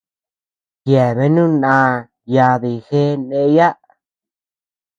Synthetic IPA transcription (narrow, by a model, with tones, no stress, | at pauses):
jje˨βe˦nũ˦nã˧ | ja˧ði˧˨xe˦nẽ˦˧˦ja˦